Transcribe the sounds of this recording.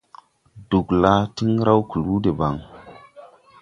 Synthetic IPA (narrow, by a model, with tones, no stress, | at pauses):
du˨kla˦ti˦ŋ˦ɾa˦wku˨lu˦de˨ba˨ŋ